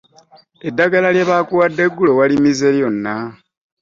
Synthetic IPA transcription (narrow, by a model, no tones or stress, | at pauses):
e̞dːaɡalalje̞βakuwadːe̞ɡulo̞walimize̞ljo̞nːa